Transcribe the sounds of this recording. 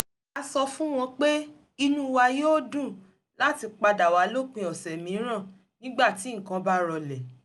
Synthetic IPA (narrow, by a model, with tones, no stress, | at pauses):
a˧sɔ˧fũ˦w̃ɔ̃˧k͡pe˦ | i˧nũ˦wa˧joː˦˨dũ˦˨ | la˦ti˧k͡pa˧da˨wa˨˦lo˦k͡pĩ˧ɔ˨sɛ˨mĩ˨˦ɾ̃ã˦˨ | nĩ˦ɡ͡ba˦˨ti˨˦ŋ̩˨kã˧ba˦ɾɔ˧lɛ˨